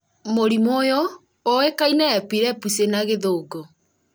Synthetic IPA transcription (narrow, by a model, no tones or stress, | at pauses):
moɾimoːjɔ | oekainɛːpiɾɛpusenaɣeðoːɡo